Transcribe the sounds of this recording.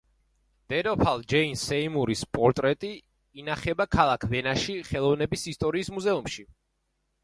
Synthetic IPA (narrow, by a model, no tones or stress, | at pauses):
d̪̥ɛɾɔpʰalˠd͡ʒɛinsɛimuɾispʼɔɾt̪ʼɾɛt̪ʼiː | naχɛbakʰalˠakʰvɛnaʃiχɛlˠɔvnɛbisist̪ʼɔɾiːsmuzɛumʃi